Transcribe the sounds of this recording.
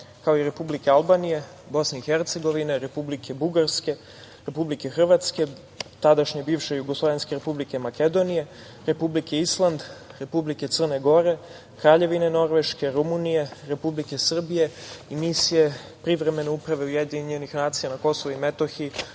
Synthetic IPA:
kaoiɾe̞publike̞alˠbanije̞ | bo̞sneixeɾt̪se̞ɡo̞ʋineɾe̞publikʰe̞buɡaɾske̞ | ɾe̞publike̞xr̩ʋat̪ske̞ | t̪ad̪aʃɲebiːʋʃejuɡoslˠoʋe̞nske̞ɾepublike̞make̞d̪o̞nije̞ | ɾe̞publike̞islˠand̪ɾe̞publiket̪sər̩ne̞ɡo̞ɾe̞ | kɾaːʎe̞ʋine̞no̞ɾʋe̞ʃke̞ɾumunije̞ɾe̞publike̞sr̩bije̞imisije̞ | pɾiʋɾe̞me̞neupɾaʋe̞ujed̪iɲenixnaːt̪sijanako̞so̞ʋuimet̪oxi

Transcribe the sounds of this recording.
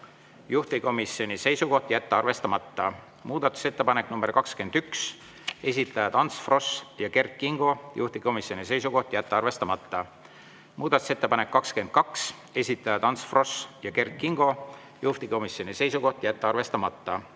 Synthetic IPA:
juht̪iko̞misjo̞nʲise̞jsuko̞ht̪jæt̪ːeɑrve̞st̪ɑmɑt̪ːɑ | muːd̪̥ɑt̪ːˑu̥se̞t̪ːe̞pɑne̞kːnumb̥erkɑkske̞nd̪̥yks | e̞sʲit̪ˑːɑjɑt̪ɑnt̪sfro̞sjɑke̞rkːiŋɡ̥o̞jṵht̪iko̞misjo̞nis̬e̞jsuko̞ht̪jæt̪ːeɑrve̞st̪ɑmɑt̪ːɑ | mʔuːd̪̥ɑt̪u̥se̞t̪ːepɑnekːɑkske̞nd̪̥̚kɑks | e̞sʲit̪ːˑɑjɑt̪ɑnt̪sfro̞sjɑke̞rkːiŋɡ̥o̞ | juht̪iko̞misjo̞nʲise̞jsuko̞ht̪jæt̪ːˑeɑrve̞st̪ɑmɑt̪ːˑɑ

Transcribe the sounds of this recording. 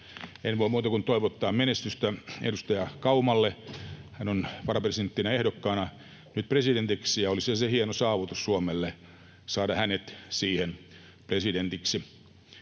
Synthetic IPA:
enʋoimuːt̪ɑkunt̪oiʋot̪ːɑːmmenest̪yst̪æḛdust̪ɑjɑkɑumɑlːehænonʋɑrɑpresient̪ːinɑehdokːɑːnɑ | nyt̪̚president̪iksijɑolisɑsehienosɑːʋut̪ussuomelːe | sɑːdɑhænet̪siːhen | president̪iksi

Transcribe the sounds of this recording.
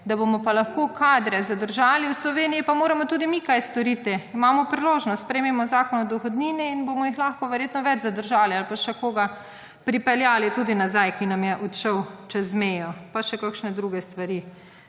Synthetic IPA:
d̪abomɔpalaxkoːkaːd̪ɾɛzad̪əɾʒaːliwslɔʋeːnijipamoːɾɛmɔt̪uːd̪imikajst̪ɔɾit̪iimaːmɔpɾiloːʒnɔst̪pɾɛjmɛmɔzaːkɔnɔd̪ɔxɔd̪niːniinbomɔjixlaxkɔʋɛɾjeːt̪nɔʋɛd͡ʒzad̪əɾʒaːlialpaʃɛkoːɡa | pɾipɛljaːlit̪uːd̪inazajkinamjɛʔɔt̪ʃəwt͡ʃɛzmejɔpaʃɛkakʃnɛd̪ɾuɡɛst̪ʋaɾi

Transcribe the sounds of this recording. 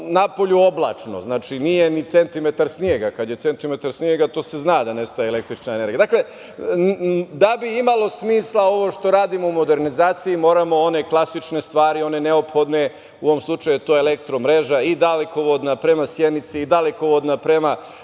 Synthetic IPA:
napo̞ʎuo̞blˠa̰ːt͡ʃno̰znaːt͡ʃinije̞nit̪se̞nt̪ime̞t̪aɾsnjeɡakad̪je̞t̪se̞nt̪ime̞t̪aɾsnijeɡat̪o̞ːse̞znad̪ane̞st̪ajeele̞k̚t̪ɾit͡ʃnaene̞ɾɡiad̪akle̞ | d̪abiimalˠo̞smiːslˠao̞ʋo̞ʃt̪o̞ɾaːd̪imoumo̞d̪e̞ɾnizaːt̪siimo̞ːɾamo̞one̞klˠasit͡ʃne̞st̪ʋaːɾio̞ne̞ne̞o̞pxo̞d̪ne̞ | uoʋomslˠut͡ʃajuet̪o̞ːelekt̪ɾo̞mɾe̞ʒaid̪aleko̞ʋod̪napɾe̞masjenit̪siid̪aleko̞ʋo̞d̪napɾe̞ma

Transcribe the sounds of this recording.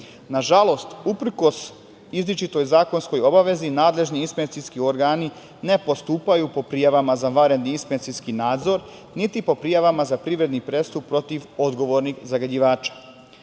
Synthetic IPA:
naʒalˠo̞st̪upr̩ko̞s | izlʲit͡ʃit̪o̞jzaːko̞nsko̞jo̞baʋe̞zinaːd̪le̞ʒniispent̪siskio̞ɾɡaːni | ne̞po̞st̪uːpajupo̞pɾijaʋamazaʋaɾed̪niispent̪siskinaːd̪zo̞ɾ | nit̪ipo̞pɾijaʋamazapɾiʋɾe̞d̪nipɾe̞st̪up̚pːɾo̞t̪iʋo̞d̪ɡo̞ʋo̞ɾniɡzaɡad͡ʑiʋaːt͡ʃḁ

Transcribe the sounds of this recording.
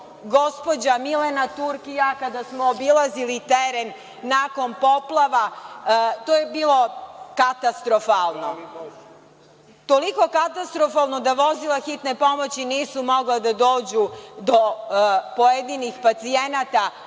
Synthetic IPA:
ɡo̞spo̞d͡ʑamilenat̪uɾkijakad̪asmoːbilazilit̪eɾenː | aːko̞npo̞plˠaʋa | t̪oːjebiːlo̞kat̪ast̪ɾo̞falˠno̞ | t̪o̞liko̞kat̪ast̪ɾo̞falˠno̞d̪aʋo̞zilaxit̪ne̞po̞mo̞t͡ɕiniːsumo̞ɡlad̪ad̪o̞ːd͡ʑud̪o̞po̞jed̪inixpat̪sie̞nat̪a

